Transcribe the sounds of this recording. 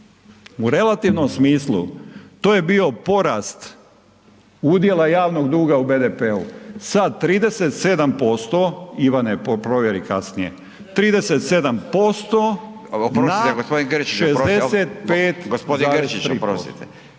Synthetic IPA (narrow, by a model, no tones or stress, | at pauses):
uɾe̞lˠat̪iʋno̞msmiːslˠṵt̪oːje̞bio̞po̞ɾaːst̪ | ud̪je̞lˠajaːʋno̞ɡd̪uːɡaubed̪epeṵsad̪̚t̪ːɾiːd̪e̞set̪se̞d̪ampo̞st̪o̞iʋaneppɾoʋjeɾikasnije̞̰ | t̪ɾiːd̪e̞set̪se̞d̪ampo̞st̪o | pɾnaeɡospod̪inɡɾt͡ʃiʃezd̪eset̪̚peːtt̪ɡospod̪iaɡest͡ʃiɾiːpɾosḭt̪e